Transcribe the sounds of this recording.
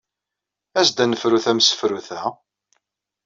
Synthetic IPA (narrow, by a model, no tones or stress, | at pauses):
æsd̪ænəfɾuθæmsə̥fɾuθæ